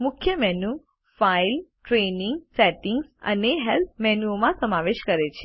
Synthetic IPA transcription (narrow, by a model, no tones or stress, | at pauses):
mʊkʰjəmɛnu | failʈɾenĩŋɡsɛʈiŋɡsə̰neɦɛlt̪̚mɛnuomãsəmaʋeʃkəɾet͡ʃʰe̥